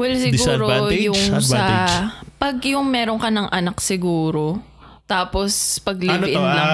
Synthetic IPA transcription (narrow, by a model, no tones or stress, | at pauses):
wɛlsɪɡuːɾojʊŋsɐpɐɡjʊŋmɛːɾoŋkɐnɐŋʔɐnaksɪɡuːɾo̞ | t̪aːpospɐɡlɪbɪʔɪnlɐŋ